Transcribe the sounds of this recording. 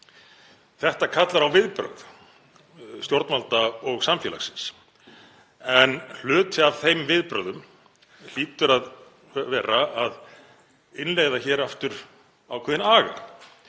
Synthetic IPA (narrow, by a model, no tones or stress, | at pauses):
θɛht̪akʰat̪laɾawvɪðpɾœ̰wð | st̪joɾt̪malt̪aɔɣsamfjɛla̰sɪns | ɛnl̥ʏːt̪ʰɪavθejmvɪðpɾœwðʏm | l̥iːt̪ʏɾað | vɛːɾaað | ɪnleːjɣðaçɛːɾaft̪ʏɾ̥ | awkʰvɛːðɪnaːɣa̰